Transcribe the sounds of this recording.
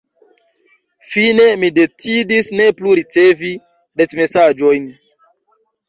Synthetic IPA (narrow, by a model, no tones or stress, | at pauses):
fine̞mide̞t͡sidisne̞pluɾit͡se̞vi | det͡sme̞sad͡ʒo̞jn